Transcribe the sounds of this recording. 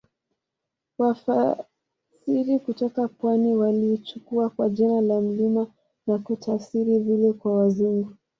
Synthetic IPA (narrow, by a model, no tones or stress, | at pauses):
wafa | siɾikutɔkapwaniwaliːt͡ʃukuakwaʄinalam̩lima | nakutʰafsiɾivilɛkwawaziŋɡu